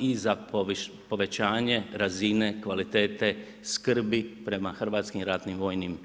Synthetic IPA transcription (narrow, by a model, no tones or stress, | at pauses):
iza | po̞ʋe̞t͡ʃaːɲe̞ɾazine̞kʋalit̪eːt̪e̞ | skr̩bipɾe̞maxr̩ʋaːt̪skimɾat̪nimʋo̞ːjnim